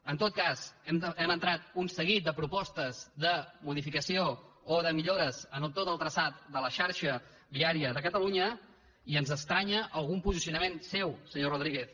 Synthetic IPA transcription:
ənt̪ot̪̚kaz̥ɛmənt̪ɾat̪unsəɣit̪̚d̪əpɾupɔst̪əzðəmuðifikəsio | oðəmiʎoɾəzənəlˠt̪ot̪əlˠt̪ɾəsat̪̚d̪ələʃaɾʃə | βiaɾiəðəkət̪əluɲə | iənzəst̪ɾaɲəʔəlˠɣumpuzisiunəmensewsəɲoruð̞ɾiɣeθ

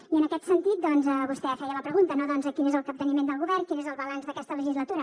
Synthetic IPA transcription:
iənəkɛt̪sənt̪it̪̚d̪ɔnzəβust̪ɛəfɛjələpɾəɣ̞unt̪ənoðɔnzəkinezəlˠkəp̚t̪ənimend̪əlˠɣuβɛrnkinezəlˠβəlanzðəkɛst̪ələʒizlət̪uɾə

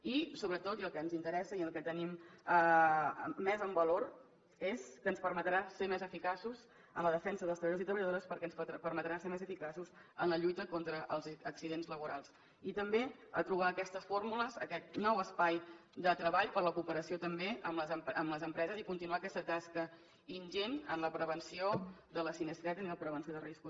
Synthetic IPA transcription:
isoβɾət̪ot̪iəlˠkɛənzint̪əɾɛsəiəlˠkɛt̪əniməː | ɛzəmbəloɾ | eskənspəɾmət̪ɾasemɛzəfikasuz | əmləðəfɛnsəðəlˠst̪ɾəβəʎozit̪ɾəβəʎəðoɾəspəɾkɛənspəɾmət̪ɾaseɾmɛzəfikasuzənləʎujt̪əkont̪ɾəʔəlˠzːksiðenzləβuɾalˠs | it̪əmbeə̰t̪ɾuβ̞aəːkɛst̪əsfoɾmuləzəkɛt̪̚nɔwəspajd̪ət̪ɾəβaʎpəɾləkupəɾəsiot̪əmbeəmləzpəmləzəmpɾɛzəzikunt̪inuaːkɛst̪ət̪askə | inʲʒenənləpɾəβənsiod̪ələsinəst̪ɾɛt̪əniləpɾəβənsioðərisku

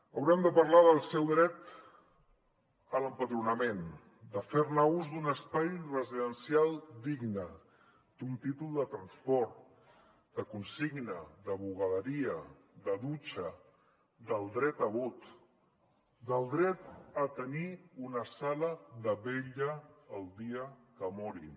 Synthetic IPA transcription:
əwɾɛmd̪əpəɾlaðəlˠsɛwðɾɛt̪ | ələmpəðɾunəmen | d̪əfeɾnauzd̪unəspajrəziðənsjalˠd̪iɡnə | d̪̥unt̪it̪ulˠd̪ət̪ɾənspɔɾt̪ | d̪̥əkunsiɡnəd̪əβuɣəðəɾiə | d̪əðut͡ʃə | d̪əlˠd̪ɾɛt̪əβut̪ | d̪əlˠd̪ɾɛt̪ət̪əniunəsaləðəβeʎəːlˠd̪iəkəmɔɾi

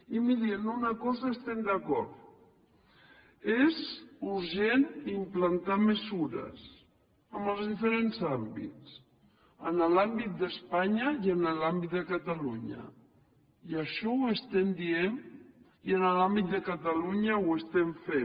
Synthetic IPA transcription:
imiɾiənunəkɔzəest̪ɛmd̪əkɔɾt̪ | ezuɾʒenimplənt̪aməzuɾə̰s | əməlˠzðifəɾenzambḭt͡s | ənəlambit̪̚d̪əspaɲəiənəlambit̪̚d̪əkət̪əluɲə̰ | iəʃɔwəst̪ɛmd̪ien | iənəlambit̪̚d̪əkət̪əluɲəwəst̪ɛɱfe

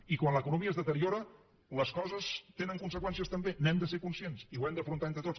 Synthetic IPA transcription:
ikwanləkunumiəezðət̪əɾioɾə | ləskɔzəst̪enəŋkunsəkwɛnsiəst̪əmbenɛmd̪əseɾkunsiensiwɛmd̪əfɾunt̪aent̪ɾət̪ot͡s

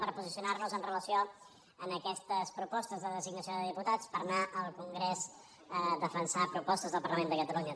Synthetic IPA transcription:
pəɾpuzisiunarnuzənrələsio | ənəkɛst̪əspɾupɔst̪əzðəðəziɡnəsioðəðiput̪at͡spəɾnaʔəlˠkuŋɡɾez | d̪əfənsapɾupɔst̪əzðəlˠpəɾləmend̪əkət̪əluɲə

